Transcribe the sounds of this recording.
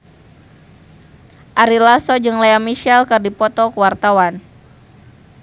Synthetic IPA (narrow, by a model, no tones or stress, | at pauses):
ʔaɾilasɔd͡ʒɨŋlaamiʃɛlkɨrdipɔt̪ɔkəwart̪awan